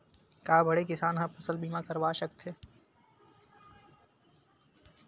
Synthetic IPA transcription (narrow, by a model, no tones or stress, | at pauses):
kaːbʱɐɽekɪsaːnɦãpɐsəlbiːmakɐɾʋaːʃɐk̚t̪ʰeː